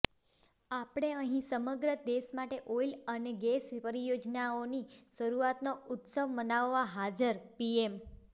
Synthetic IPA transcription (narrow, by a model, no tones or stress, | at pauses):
apɽ̃eəɦĩsəməɡɾəd̪eʃmaʈeʔoiləneɡespəɾijod͡ʒnaoniʃəɾuat̪noʊt̪səʋmənaʋːaɦad͡ʒəɾpiem